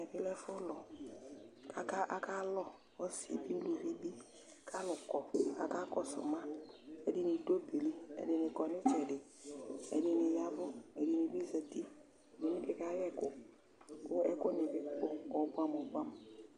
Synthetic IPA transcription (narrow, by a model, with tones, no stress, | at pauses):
ɛ˨bɪ˦lɛ˦fʊ˦lɔ˨ | kʰa˨ka˦ʔa˨ka˦lɔ˦ | wɔ˦sḭ˨bi˦lu˨vi˦bi˦ | kʰa˦lʊ˨kɔ˨a̰˨ka˦kɔ˦sʊ̰˨mã˦ɛ˨dɪ˨nɪ˨do˦be˨li˦ɛ̰˨dɪ˨nɪ˨kɔ˨nɪ˦t͡ʃɛ˨dɪ˨ | ɛ̰˨dɪ˨nɪ˨ja˦bʊ˦ɛ˨di˨nɪ˨bi˦za˨ti˦˨ | dɪ˨nɪ̃˦bɪ˨ka˦jɛ˦kʊ˨ | kʊ˦ɛ˦kʊ˦nɪ˨bɪ˨˦k͡pʊ˦ɔ˨bʷa˦mɔ˨bʷa˦m˨